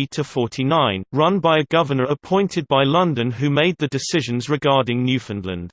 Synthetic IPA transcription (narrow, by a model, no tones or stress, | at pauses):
itʰəfɔˑtʰinãɪ̃nɹʌ̃nbaɪəɡʌvənəɹəpʰɔ̃ɪ̃ntʰɪd̚baɪlʌ̃ndə̃nɦʉmeɪd̪̚ðədɪsɪʒə̃nzɹɪɡɑːdɪ̃ŋnjʉːˑfə̃nlə̰̃nd̥